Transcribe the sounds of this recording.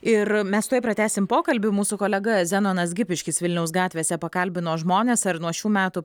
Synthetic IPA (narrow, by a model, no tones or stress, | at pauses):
ɪrmʲɛsst̪ɛɪpɾɐt̪ʲæːsʲɪmpoːkɐlʲbʲʊmuːsʊkoːlʲɛɡɐzʲænoːnɐsɡʲɪpʲɪʃʲkʲɪsʋʲɪlʲnʲɛʊs̬ɡɑːtʲʋʲeːsʲɛpɐkɐlʲbʲɪnoːʒmoːnʲeːsɐrnuɔʃʲuːmʲæːt̪ʊ